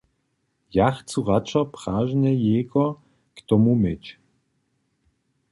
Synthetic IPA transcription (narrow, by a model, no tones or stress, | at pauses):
jaxt͡suʁat͡ʃɔpʁaːʒnɛjɛːɡɔ | kt̪ɔmumɛt͡ɕ